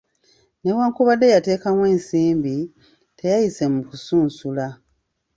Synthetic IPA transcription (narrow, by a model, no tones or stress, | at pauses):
ne̞waːŋkuβadːe̞jate̞ːkamweːnsiːmbi | tʰe̞jajise̞mukusuːnsula